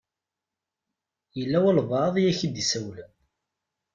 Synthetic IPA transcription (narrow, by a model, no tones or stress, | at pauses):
jəlːæwælvɑðˤjæçid̪isæwl